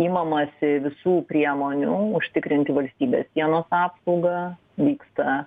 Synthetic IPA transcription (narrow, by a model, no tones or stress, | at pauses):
iːmɐmɐsʲɪʋʲɪsuːpʲɾʲiɛmoːnʲʊʊʃʲt̪ʲɪkɾʲɪnʲt̪ʲɪʋɐlʲsʲt̪ʲiːbʲḛːssʲiɛnoːsɑːpsɐʊɡɐ | ʋʲiːkst̪ɐ